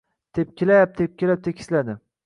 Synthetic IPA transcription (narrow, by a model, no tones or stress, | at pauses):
d̪̥ep̚kʲʰɪlap̚d̪ep̚kʲelap̚t̪ʰekʲʰɪ̥slad̪ɪ